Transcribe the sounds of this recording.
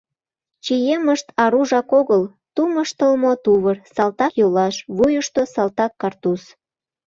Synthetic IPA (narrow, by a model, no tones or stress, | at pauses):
t͡ɕijeməʃt̪ɑɾuʒɑkoɣəl | t̪uməʃt̪əlmot̪uβərsɑlt̪ɑkjolɑʃβujəʃt̪osɑlt̪ɑkːɑrt̪us